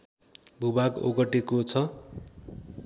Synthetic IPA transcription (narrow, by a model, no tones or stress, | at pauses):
bʱubaɡo̰ɡʌʈekot͡sʰʌ